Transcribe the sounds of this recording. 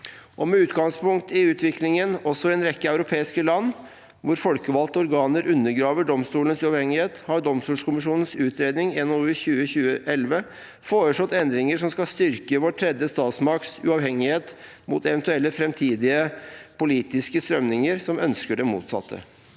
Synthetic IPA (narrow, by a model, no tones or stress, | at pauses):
ʔɔmɛʉːt̪ɡɑŋspʊŋkt̪ɪʉːt̪ʰʋɪklɪŋənɔsɔɛnɾɛkːəæʉɾʊpʰeːɪskəlɑnː | ʋʊɾfɔlkəʋɑlt̪əɔɾɡɑːnəɾʔʉnːəɡɾɑːʋəɖɔmst̪uːlənsʉɑːʋhɛŋːɪheːt̪hɑɖɔmst̪uːlskʰʊmɪʂuːnən̩sʉːt̪ɾeːd̪nɪŋeːnoçʉːəçʉːəʔɛlʋə | foːɾəʂɔt̪ːɛnd̪ɾɪŋəʂɔmskɑlst̪ʏɾkəʋɔʈʰɾɛd̪jəst̪ɑːt̪smɑk̚t̪sʉ̰ɑːʋhɛŋːɪheːt̪ | mʊt̪ɛʋɛnt̪ʉɛlːəfɾɛmt̪ʰiːd̪ɪəpʊliːt̪ɪskəst̪ɾœmnɪŋəɾsɔmœnskəɖɛmṵːt̪sɑ̰t̪ʰːə̰